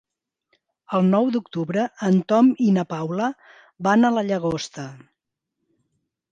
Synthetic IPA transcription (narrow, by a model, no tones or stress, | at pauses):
əlˠnɔwd̪ukt̪uβɾəənt̪ɔminəpawlə | banələʎəɣ̞ost̪ə